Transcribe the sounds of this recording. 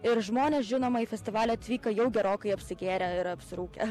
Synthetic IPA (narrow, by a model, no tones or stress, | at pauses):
ɪɾʒmoːnʲeːsʒʲɪnoːmɐiːfʲɛsʲt̪ʲɪʋɑːlʲɛɐt̪ʲʋʲiːkɐjɛʊɡʲɛɾoːkɐɪɐpʲsʲɪɡʲeːɾʲɛɪɾɐpʲsʲɪɾuːkʲɛ̰